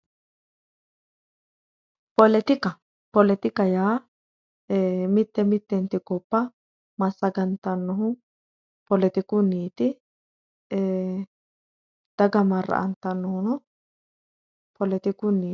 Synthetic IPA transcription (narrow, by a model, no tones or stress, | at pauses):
pɔlɛt̪ɪkɐ | pɔlɛt̪ɪkɐjaː | mɪt̪ːɛmɪt̪ːɛnt̪ɪkɔpːɐ | mɐsːɐɡɐnt̪ɐnːɔɦʊ | pɔlɛt̪ɪkʊniːt̪ɪ | d̪̥ɐɡɐmɐɾːɐ̰ʔɐnt̪ɐnːɔhʊnɔ | pʰɔlɛt̪ɪkʊnːiː